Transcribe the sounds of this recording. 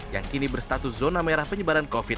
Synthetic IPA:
ja̰ŋkinibərst̪at̪uszonameɾahpəɲəbaɾankofi

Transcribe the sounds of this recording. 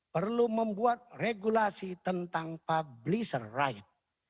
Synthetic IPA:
pərluməmbuat̪̚reɡulasit̪ənt̪aŋpablisərːajət̪̚

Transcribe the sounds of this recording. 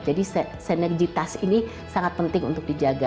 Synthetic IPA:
d͡ʒadisəsənɛrd͡ʒit̪asini | saŋat̪̚pənt̪ɪŋṵnt̪ʊk̚did͡ʒaɡa

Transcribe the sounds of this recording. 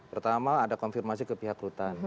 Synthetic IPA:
pərt̪amaːdakɔnfirmas̬ikəpiɦakɾut̪an

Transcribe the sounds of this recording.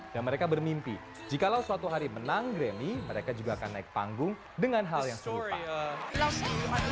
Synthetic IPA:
d̥anməɾekabərmimpi | d͡ʒikalawsuat̪uɦaɾimənaŋɡɾemiməɾekad͡ʒuɡaːkanːaɪk̚pa̰ŋɡʊŋ | dəŋanɦaljaŋsəlupa̰

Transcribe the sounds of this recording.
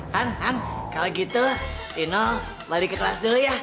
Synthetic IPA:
hanɦankaloɡit̪u | inɔ | balikəkəlasdəja

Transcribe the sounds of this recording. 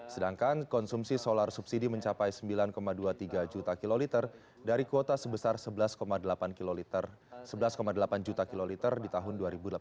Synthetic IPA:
sədaŋkankɔnsumsisolarsubsidiməɲt͡ʃapajsəmbilankomaduat̪iɡad͡ʒut̪akilolit̪ər | daɾikuot̪asəbəsarsəbəlaskomadəlapanklolt̪ər | səbəlaskomadəlapand͡ʒut̪akilolit̪ərdit̪aɦʊnduaɾibudəla

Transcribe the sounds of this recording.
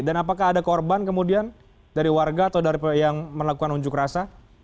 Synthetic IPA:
danapakaɦːdakɔrbankəmudian | daɾiwarɡaːt̪awdaɾipjaŋməlakukanuɲd͡ʒʊkrasa

